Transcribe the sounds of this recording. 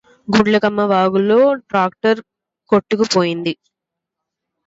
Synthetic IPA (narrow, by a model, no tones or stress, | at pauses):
ɡuɽlɐkɐmːɐʋaːɡulːoːɖɾaːk̚ʈɐɾ | koʈːukupoːjind̪i